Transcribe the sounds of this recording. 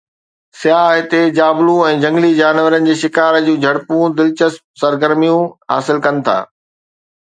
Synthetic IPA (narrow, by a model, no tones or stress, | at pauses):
sjaːɦɪt̪ed͡ʑaːblũɛ̃ːd͡ʑɐ̃ŋɡlid͡ʑaːnʋəɾənɪ̆d͡ʑeːʃɪkaːɾd͡ʑũːd͡ʑʱɐɽpũd̪ɪlt͡ɕəspsɐɾɡəɾmijũɦa̰ːsɪlkɐnɪ̆t̪ʰa̰ː